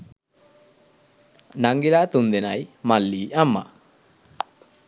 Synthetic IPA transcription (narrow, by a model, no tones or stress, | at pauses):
naŋɡilat̪und̪ɛnajmalːiːamːa̰